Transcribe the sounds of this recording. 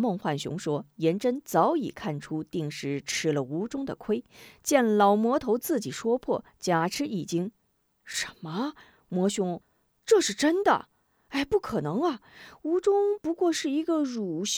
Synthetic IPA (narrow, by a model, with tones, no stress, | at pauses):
mɤ˥˧ŋxwa˥˩nɕjʊ̰˧˥ŋʂwɔ˥jɛ˧˥nʈ͡ʂə˥nt͡sɑ˧˥ʊḭ˨˩kʰa˥˩nʈ͡ʂʰu˥t̪i˥˩ŋʂɻ̩˥˩ʈ͡ʂʰɻ̩˧˥lə˨˧u˧˥ʈ͡ʂʊ˥ŋd̪ə˨kʰwe˥ɪt͡ɕjɛ˥˩nlɑ˨˩ʊmwɔ˧˥t̪ʰo˧˥ʊt͡sɹ̩˥˩t͡ɕi˨˩ʂwɔ˥pʰwɔ̰˥˩ | t͡ɕja˨˩ʈ͡ʂʰɻ̩˥i˨˩t͡ɕi˥ŋ | ʂə˧˥nmə˧ | mwɔ˧˥ɕʊ˥ŋ | ʈ͡ʂɤ˥˧ʂɻ̩˥˩ʈ͡ʂə˥nd̪ə̰˨˩ | a˥˩ɪpu˥˩kʰɤ˨˩nɤ˧˥ŋɐ˧u˧˥ʈ͡ʂʊ˥ŋpu˧˥kwɔ˥˧ʂɻ̩˥˩i˧˥ɡə˧ɻu˨˩ɕ